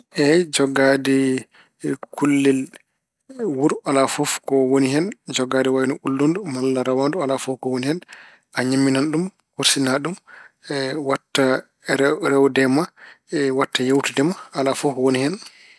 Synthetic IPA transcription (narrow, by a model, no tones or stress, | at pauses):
ʔɛd͡ʒɔɡadɛ | kʰulːil | wuɾʔalafɔfkɔwoniɦɛnd͡ʒɔɡadɛwajnɔʔulːondumalːaɾawandualafɔfkɔwonihɛn | ʔaɲamːinanɗum | hoɾsinaɗum | watːa | ɾɛwdɛma | watːajewtudɛmaːlafɔfwonihɛn